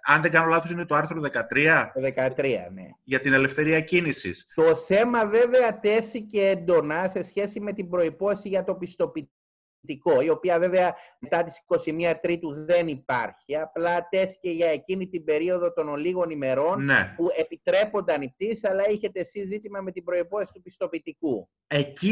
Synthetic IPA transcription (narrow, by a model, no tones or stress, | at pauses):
ɐnðe̞ŋɡɐno̞lɐθosinet̪oɐɾθɾo̞ðe̞kɐt̪ɾiɐoðe̞kɐt̪ɾiɐ̰ne̞̰ʝɐt̪ine̞le̞fθe̞ɾiɐcinisḭst̪o̞θe̞mɐve̞ve̞ɐt̪e̞siceend̪o̞nɐse̞sçe̞sime̞t̪imbɾo̞ipo̞θesiʝɐt̪o̞pist̪o̞pi | t̪iko̞io̞piɐve̞ve̞ɐmet̪ɐt̪i̥si̥ko̞simiɐt̪ɾit̪uðe̞nipɐɾçiɐplɐt̪e̞si̥ce̞ʝɐecinit̪ibe̞ɾio̞ðo̞t̪o̞noliɣo̞nime̞ɾo̞nnḛpue̞pit̪ɾe̞po̞nd̪eɐnip̚t̪isɐlɐiçe̞t̪esizːit̪imɐme̞t̪ibɾo̞ipo̞esi̥t̪upist̪o̞pit̪iku | e̞ci